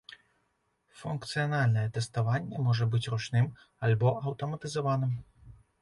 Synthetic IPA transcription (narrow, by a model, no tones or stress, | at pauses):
funkt̪sɨjɐnalʲnɐjɛt̪ɛst̪avanʲːɛmɔʐɐbɨt͡sʲrɔt͡ʂnɨm | alʲbɔʔɐwt̪ɐmɐt̪ɨzavanɨm